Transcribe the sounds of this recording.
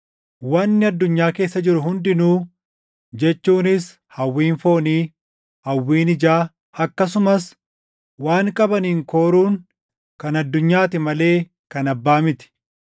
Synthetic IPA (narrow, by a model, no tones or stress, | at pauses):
wɐnːɪɐd̪ːʊɲːaːke̞ːsːɐd͡ʒɪɾʊɦʊnd̪ɪnuː | d͡ʒɛt͡ʃːuːnɪs | hɐwːiːnfo̞ːniː | hɐwːiːnɪd͡ʒaː | ɐkːɐs̬ʊmɐs | waːŋkʼɐbɐniːŋko̞ːɾuːŋ | kɐnɐd̪ːʊɲːaːt̪ɪmɐle̞ː | kɐnɐbːaːmɪt̪ɪ̥